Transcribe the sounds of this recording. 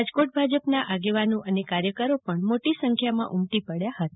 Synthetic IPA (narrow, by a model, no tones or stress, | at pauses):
ad͡ʒkoʈ̚bʱad͡ʒəpnaʔaɡeʋanõʔənekaɾjəkəɾopəɳmoʈisəŋkʰjamã̰ʔumt̪ipəɽjaɦət̪a